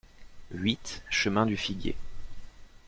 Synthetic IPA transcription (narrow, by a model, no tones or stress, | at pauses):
ɥit̪ʃəmɛ̃d̪yfiɡjḛ